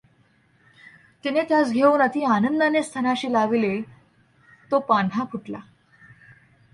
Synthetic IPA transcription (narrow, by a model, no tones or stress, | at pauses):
t̪inet̪jat͡sɡʱeuːnat̪iːanənd̪ənest̪ʰənaɕiːlaʋile | t̪opanɦakʰuʈla̰